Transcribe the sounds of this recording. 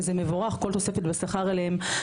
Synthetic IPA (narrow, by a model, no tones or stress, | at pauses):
zemevoʁaχko̞lt̪o̞se̞fet̪besaχaʁaleem